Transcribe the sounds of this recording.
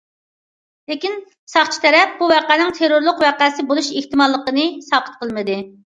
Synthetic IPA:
lekʲin | sɑχt͡ʃʰi̥t̪ʰɛɾɛp̚buvæqænɪŋt̪ʰeɾuɾlˠʊqwæqæːsɪbolˠuʃeht̪ɨmɑlˠːəqənɨsɑːqʰə̥t̪̚qʰəlˠmɨd̪ɨ

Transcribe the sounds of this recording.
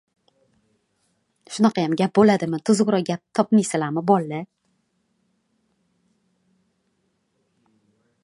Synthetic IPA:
ʃʊnɑqʰɑjamɡʲap̚bolad̪ɪmɪt̪ʰʊzʁɾɒɡʲap̚t̪ʰɒpmijsɪlamɪbɒlːɪ

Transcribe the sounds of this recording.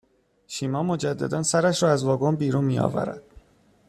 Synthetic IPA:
ʃiːmɒːmod͡ʒæd̪ːæ̰d̪æːnsæɾæʃɾɒːæzvɒːɡonbiːɾunmijɒ̰ːvæ̰ɾæ̰d̪̥

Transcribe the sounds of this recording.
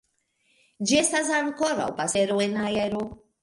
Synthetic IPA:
d͡ʒɛst̪asaŋkɔɾa̰wpasɛɾuɪnajɛɾu

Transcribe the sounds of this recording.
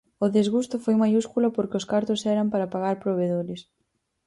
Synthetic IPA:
ʊðezɣust̪ʊfojmajuskulapoɾkɪʊskaɾt̪ʊsɛɾampaɾapaɣaɾpɾoβ̞eðoɾɪs

